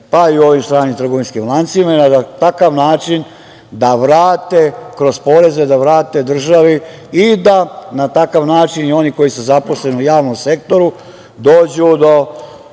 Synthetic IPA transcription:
paiuo̞ʋimst̪ɾaːnimt̪r̩ɡo̞ʋinskimlˠant̪simaenat̪akaʋnaːt͡ʃin | d̪aʋɾaːt̪ekɾo̞spo̞ɾe̞zed̪aʋɾaːt̪e̞d̪r̩ʒaʋi | id̪anat̪akaʋnaːt͡ʃinio̞niko̞jisuzapo̞sle̞niujaːʋno̞mse̞k̚t̪o̞ɾu | d̪o̞ːd͡ʑud̪o̞

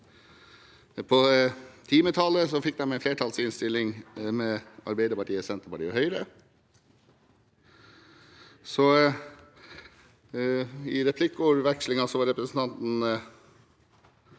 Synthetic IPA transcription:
pʰɔt̪ʰiːmət̪ʰɑːləsɔfɪk̚d̪æmæɪfleːʈʰɑːlsɪnst̪ɪlɪŋmɛɑ̰ɾbeɪd̪əɾpɑʈiːəsɛnt̪əpɑʈiːɔhœʏɾə | sɔ | ɪɾɛpʰlɪkːuɾʋɛkʂlɪŋɑsɔʋɑɾɛpɾəsn̩t̪ɑnt̪n̩

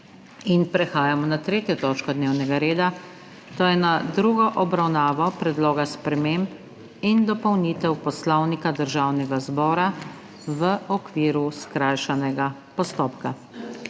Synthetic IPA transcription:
inpɾɛxaːjamɔnat̪ɾeːt̪jɔt̪ɔːt͡ʃkɔd̪neːwnɛɡaɾeːd̪a | t̪oːjɛnad̪ɾuːɡɔʔɔbɾawnaːʋɔpɾɛd̪loːɡaspɾɛmemp | ind̪ɔpɔwniːt̪ɛwpɔslɔwnikad̪əɾʒawnɛɡazbɔːɾa | ʋəɔkʋiːɾuskɾajʃanɛɡapɔst̪oːpka

